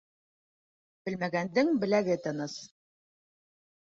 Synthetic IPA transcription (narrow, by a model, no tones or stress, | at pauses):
b̥ɘ̆lmæɡænd̪ɘŋbɘ̆læɡɘt̪ɤ̆nɤs